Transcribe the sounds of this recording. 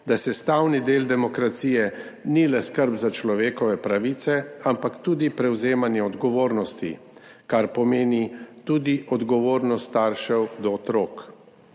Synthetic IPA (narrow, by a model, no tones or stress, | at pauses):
d̪asɛst̪aːwnid̪eːld̪ɛmɔkɾat̪siːjɛ | nilɛskəɾbzat͡ʃlɔʋeːkɔʋɛpɾaʋiːt̪sɛampakt̪uːd̪ipɾɛwzeːmanjɛɔd̪ɡɔʋoːɾnɔst̪ḭ | kaɾpɔmeːnit̪uːd̪iʔɔd̪ɡɔʋoːɾnɔst̪aɾʃɛwd̪ɔːt̪ɾoːk